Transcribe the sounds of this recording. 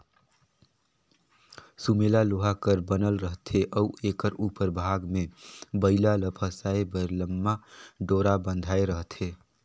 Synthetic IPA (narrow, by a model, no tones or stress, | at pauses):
sumelaloɦakəɾbənəlɾəɦt̪ʰeʔɔuekəɾupəɾbʱaɡmebəɪlaləpʰəsaebəɾləmːaɖoɾabənd̪ʱaeɾəɦt̪ʰe